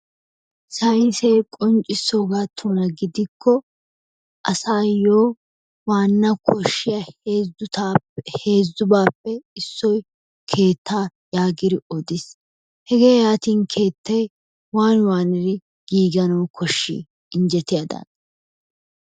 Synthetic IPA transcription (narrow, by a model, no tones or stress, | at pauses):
sɐjɪseːkʼɔnt͡ʃʼːɪsːoːɡaːt̪ʰːuːnɐɡɪd̪ɪkʰːɔ | ʔɐsaːjoː | waːnːɐkʰɔʃːɪjɐeːzʊt̪aːhe̞ːzːʊbaːpːɛɪsːɔj | kʰe̞ːt̪ːaːjaːɡɪd̪ɪɔd̪ɪs | hɛɡe̞ːjaːt̪iːnkʰe̞ːt̪ːɛj | waːnwaːnɪɾɪ | ɡ̥iːɡɐnɐwkʰɔʃːḭː | ɪnd͡ʒɛt̪ɪjad̪ɐ̰n